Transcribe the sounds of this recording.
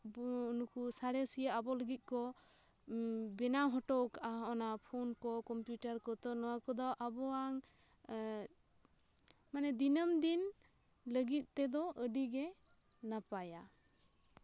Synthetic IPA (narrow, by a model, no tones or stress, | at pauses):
bunukusaɾɛsijaabɔləɡit̪̚kɔ | bɛnaɦɔʈɔkaʔaɔnapʰɔnkɔkɔmpjuʈaɾkɔt̪ɔnɔwakɔd̪ɔʔabɔaŋ | manɛd̪inəmd̪in | ləɡit̪̚ˀt̪ɛd̪ɔʔəɖiɡɛ | napaja